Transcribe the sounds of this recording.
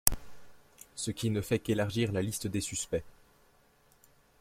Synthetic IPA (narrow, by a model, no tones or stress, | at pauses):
səkʲinəfɛkelaʁʒiʁlalist̪əd̪esyspɛ